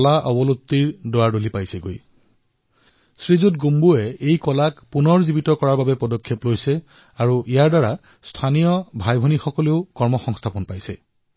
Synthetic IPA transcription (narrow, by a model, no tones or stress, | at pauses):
laʔɔbɔlot̪ːiɹdoaɹdolipajsɛɡo̰j | sɹizutɡumbuɛejkɔlakpunɔɹzibitɔkɔɹaɹbabɛpɔdɔkʰːjɔplojsɛ | aɹuʔijaɹdaɹa | stʰanijɔbʱajbʱɔnixɔkɔleʊkɔɹmɔxɔŋstʰapɔnpajsɛ̰